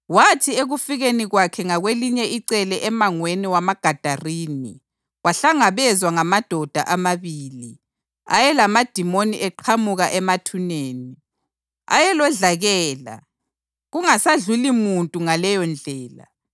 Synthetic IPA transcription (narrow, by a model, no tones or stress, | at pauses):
watʰieɣufiɣeniɣwakʰɛŋaɣweliɲɛiǀɛlɛʔɛmaŋweniwamaɡ̥ʱad̥ʱariːni | waɬaŋaβɛzwaŋamad̥ʱɔd̥ʱa̰ʔamaβiːli | a̰jɛlamad̥ʱimoniʔɛǃʰamuɣaʔɛmatʰuneːni | a̰jɛlɔɮaɣɛːla̰ | ɣuŋasaɮulimuntʼuŋalɛjɔnd͡ɮʱɛːla̰